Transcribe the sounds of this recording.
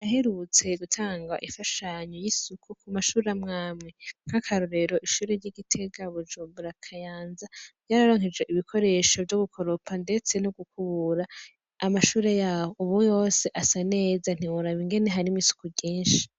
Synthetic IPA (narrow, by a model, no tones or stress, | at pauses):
jaɦeɾut͡se̞ɡutʰaːŋɡa̰ʔifaʃaɲojisukʰukʰumaʃuːɾeamŋaːmŋe̞ŋ̥hakʰaɾoɾe̞ɾo̞ʔiʃuːɾeɾɟiɡitʰe̞ɡaβud͡ʒuːmbuɾakʰajaːnzaɟaːɾaɾo̞ːŋ̥id͡ʒɡe̞ʔiβikʰo̞ɾe̞ʃo̞vjo̞ɡukʰo̞ɾopʰande̞t͡se̞noɡukuβuɾaː | maʃuːɾe̞jaːhouβujo̞seʔasane̞ːzan̥iwuɾaβiŋɡe̞neɦaɾimisu̥kuɟiːnʃi̥